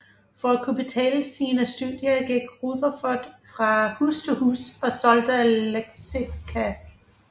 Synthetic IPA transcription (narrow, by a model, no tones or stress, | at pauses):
fɒ̽ækʰub̥e̝t͡sʰɛ̰ːləsiːnəsd̥uðˠjɐɡ̥eɡ̥ʁuðˠɐfɒd̥fʁɑ̈hust͡sʰehṵːsɒ̽sɒ̽ld̥əleɡ̥sikʰæ